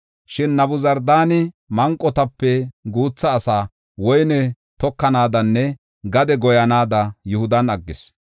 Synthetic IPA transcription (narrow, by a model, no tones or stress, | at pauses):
ʃɪnːɐbʊzɐɾd̪aːnɪ | mɐŋkʼːɔt̪ɐpːɛɡuːt͡sːɐːsaː | wɔjnɛ | t̪ɔkːɐnaːd̪ɐnːɛ | ɡɐd̪ɛɡɔjɐnaːd̪ɐjʊhʊd̪ɐnɐɡːɪs